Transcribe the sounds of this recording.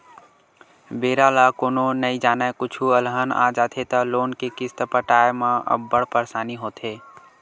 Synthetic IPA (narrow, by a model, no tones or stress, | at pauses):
beːɾalakoːnonəid͡ʒaːnakʊt͡ʃʰuəlɦəna̰d͡ʒaːt̪ʰet̪əloːnkekɪst̪pəʈaːjmãə̰bːəɽpəɾsaːniɦoːt̪ʰeː